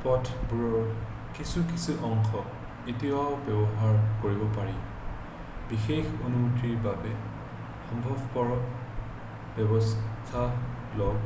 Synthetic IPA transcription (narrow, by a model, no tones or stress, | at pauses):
pɔtʰbuɹɔɹ | kisukisuʔɔŋxɔ | itiaʊbɛbɔɦaɹkoɹibɔpaɹi | bixexonumutiɹbabɛ | xɔmbʱɔbʱkɔɹɔ | bɔbɔst̪ʰa | lɔɡ